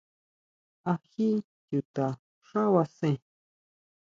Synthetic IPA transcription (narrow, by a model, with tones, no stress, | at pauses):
a˨xi˦ | tu˨t̪a˨ | ʂa˦wa˨sẽ˨